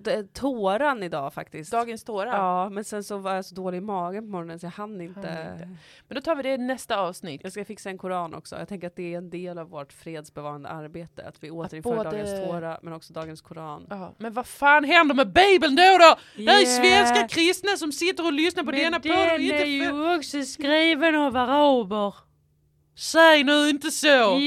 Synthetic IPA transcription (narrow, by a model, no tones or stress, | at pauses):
t̪ʰoːɾanɪd̪ɑːfa̰kt̪ɪsd̪ɑːɡənst̪ʰoːɾaɑːmɛnsɛnsɔvaɾjasɔd̪oːlɪɡɪmɑːɡənpʰɔmɔɾɔnənsɔjahanːəɪnt̪əə | mmɛnd̪ɔt̪ʰɑːvɪd̪ɛnɛst̪aɑːvsnɪt̪ːjaɡskafɪksaɛnkʰʊɾɑːnʔɔ̰ksɔ̰jɑ̰t̪ʰɛŋkəɾat̪̚d̪ɛæɛnd̪eːlavːoːʈfɾeːd̪sbɛvɑːɾand̪ə̰ʔaɾbeːt̪ə̰a̰t̪vɪoːt̪əɾɪnːdɑːənst̪ʰoːɾamʔɛnɔksɔd̪ɑːɡənskʰʊɾɑːnmɛnvafaːnɦɛnd̪əɾmɛbejbəlnd̪oːd̪ɔd̪ɛæɾɛsvɛnskakʰɾɪst̪nasɔmsɪt̪ːəɾɔlʏsnaɾpʰɔd̪ɛnːapɔd̪ɛɪnt̪əɔksɔskɾiːvənavaɾabəɾ | sɛjənʉɪnt̪əso